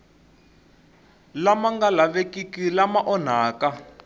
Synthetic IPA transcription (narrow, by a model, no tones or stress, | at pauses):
lamaŋɡalaβekikilamaʔɔn̤aːka